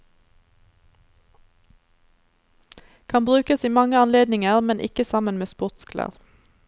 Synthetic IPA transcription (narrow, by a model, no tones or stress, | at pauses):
kʰɑnbʁʉːkəsiːmɑŋəɑnleːd̪nɪŋəʁmɛnʔɪ̰kəsɑmənmeːspʊʁt̪skʰlə̰ʁ